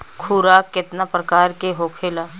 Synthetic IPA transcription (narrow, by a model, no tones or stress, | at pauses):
kʰuːɾaːkɪt̪napɾɐkaːɾkeɦoːkʰelaː